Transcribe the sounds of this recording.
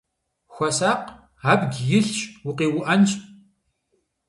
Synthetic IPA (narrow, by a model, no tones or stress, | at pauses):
xʷɐsaːq | aːbɡʲjɪɬt͡ʃʼwʊqeːwʊʔɐnt͡ʃʼ